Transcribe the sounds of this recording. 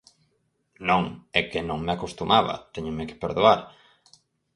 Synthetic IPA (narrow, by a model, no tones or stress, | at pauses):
nõŋekenõŋmeakost̪umʔaβɐ̰t̪eɲomeke̥peɾðuaɾ